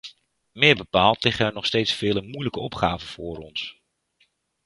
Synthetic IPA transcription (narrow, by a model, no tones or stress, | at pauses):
mɪːɹbəpaːlˠtlɪχəɛɹnɔχstejtsfɪːləmujləkəɔpχaːvəv̥ʊːɾɔns